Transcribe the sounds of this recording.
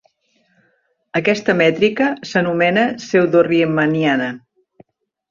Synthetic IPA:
əkɛst̪əmɛt̪ɾikəsənumɛnəsewðoriemənianə

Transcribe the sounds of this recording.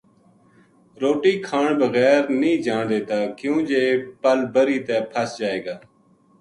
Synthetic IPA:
ɾoːʈiːkʰaːɳbəɣɛːɾnĩːd͡ʒaːɳd̪eːt̪aːkjũːd͡ʒeːpəlbəɾiːt̪ɛːpʰəsd͡ʒaːeːɡaː

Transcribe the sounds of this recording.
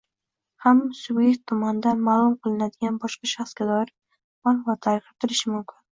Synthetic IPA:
hamːasʊbje̞k̚t̪ʰːʊmand̪anmaːlˠʊmqʰɨlˠɪnad̪ɪɡʲanbɒʃqɑʃɑχsɡʲad̪ɒɪɾ | manqvat̪ʰaɾqʰɨp̚t̪ʰɪɾɪʃɪmʊmkʲʰɪn

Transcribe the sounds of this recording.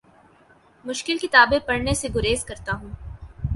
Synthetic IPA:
mʊʃkɪlkɪt̪aːbẽpɐɽneseɡʊɾeːzkɐɾt̪aɦũː

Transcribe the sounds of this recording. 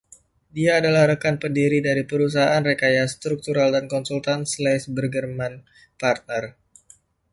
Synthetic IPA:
diaːdalahɾəkanpəndiɾidaɾipəɾus̬aɦaanrekajast̪ɾuk̚t̪uɾaldankɔnsult̪anslasbərɡərman | part̪̚nər

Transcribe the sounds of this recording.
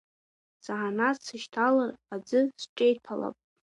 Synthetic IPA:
z̥aʕanasɨʃtʰalarad͡zɨsʈ͡ʂʼejtʰala̰pʼ

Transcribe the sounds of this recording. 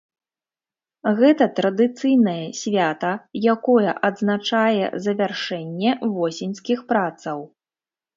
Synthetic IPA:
ɣɛt̪ɐt̪ɾɐd̪ɨt̪sɨjnɐjɛsʲvʲat̪ɐjakɔjɐ̰ʔɐd̪znat͡ʂajɛ̰zɐvʲarʂɛnʲːɛvɔsʲinʲskʲixpɾat̪sɐw

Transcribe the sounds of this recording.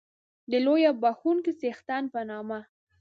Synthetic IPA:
d̪əlojabaxunkisext̪anpənɑma

